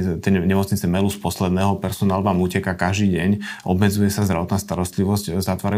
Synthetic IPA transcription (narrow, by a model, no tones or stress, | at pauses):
t̪ɛɲɛmɔt͡sɲit͡sɛmɛluspɔslɛd̪nɛːɦɔpɛɾsɔnaːlʋaːmuːcɛkakaʒd̪iːɟɛɲʔɔ̰bmɛd͡zujɛsazd̪ɾa̰ʋɔt̪naːst̪aɾɔst̪liʋɔzczat̪ʋaːɾa